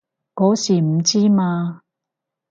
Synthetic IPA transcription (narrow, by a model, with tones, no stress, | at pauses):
kɔː˨˥siː˨˩m̩˨˩t͡siː˦˥maː˧